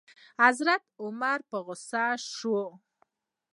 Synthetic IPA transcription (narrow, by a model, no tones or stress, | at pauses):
hazɾat̪ʊmaɾpəɣʊsaʃo